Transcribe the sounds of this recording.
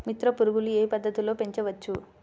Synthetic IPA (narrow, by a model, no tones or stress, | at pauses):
mit̪ɾɐpuɾuɡulueːpɐd̪ːɐt̪ilo̞ːpe̞ɲt͡ʃɐʋɐt͡ʃːu